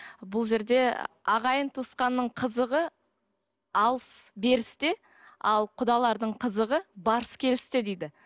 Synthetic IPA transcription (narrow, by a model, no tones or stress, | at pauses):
bʊlˠʒe̞ɾd̪e̞ɑʁɑjənt̪ʰusqɑnːəɴqʰəzəʁə | ɑlˠəsbe̞ɾɪst̪ɪ | ɑlˠqʰʊd̪ɑlˠɑɾd̪əɴqʰəzəʁəbɑɾəskʲʰe̞lɪst̪ɪd̪ejd̪ɪ